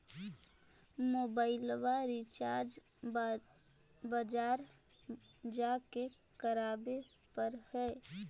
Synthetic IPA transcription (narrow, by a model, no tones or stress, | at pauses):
moːbaːɪlwaɾit͡ʃaːɾd͡ʒ | bəd͡ʒaːɾ | d͡ʒake | kəɾaːbe | pəɾhɛː